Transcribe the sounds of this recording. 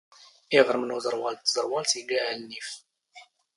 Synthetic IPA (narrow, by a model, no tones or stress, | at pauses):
ɪʁɾəmnuzˤəɾˤwɑlt̪ːzəɾˤwɑlsilːiʕælnif